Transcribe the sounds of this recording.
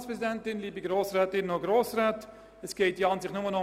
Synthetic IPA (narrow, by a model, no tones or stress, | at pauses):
spɾɛzidɛntɪnliːbiɡɾoːsraːtɪnoɡɾoːsraːt | ɛsɡ̥ɛɪtiɑnzɪχtnʊmənɔ